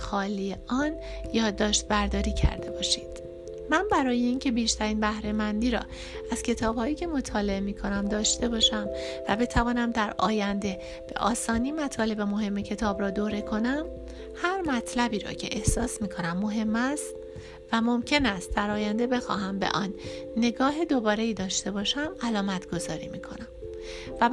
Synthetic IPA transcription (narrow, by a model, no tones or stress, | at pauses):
xɒːliːeɒːn | jɒːd̪ːɒːʃt̪̚bæɾd̪ɒːɾiːcʰæ̰ɾd̪e̞bɒːʃiːd̪̥ | mænbæɾɒːje̞iːncʰe̞biːʃt̪ʰæɾiːnbæhɾe̞mænd̪iːɾɒ̰ː | æz̥cʰe̞t̪ʰɒːb̥hɒːjiːcʰe̞mo̞t̪ʰɒːle̞emiːkʰo̞næmd̪ɒːʃt̪e̞bɒːʃæmvæbe̞t̪ʰævɒːnæmd̪æɾɒ̰ːjænd̪e̞ | b̥e̞̰ʔɒːsɒːniːmæt̪ʰɒːle̞be̞mo̞ɦe̞mːe̞cʰe̞t̪ʰɒːbɾɒːd̪oːɾe̞kʰo̞næm | hæɾmæt̪ʰlæbiːɾɒ̰ːcʰe̞̰ʔehsɒːsmiːkʰo̞næmːo̞ɦe̞mːæst̪ | væmo̞mcʰe̞næst̪̚d̪æɾɒːjænd̪e̞be̞xɒ̰ːɦæmbe̞̰ʔɒnːe̞ɡɒːɦe̞d̪obɒːɾe̞iːd̪ɒːʃt̪e̞bɒːʃæmælɒːmæt̪ʰɡ̥o̞zɒːɾḭːmiːkʰo̞̰næm | væ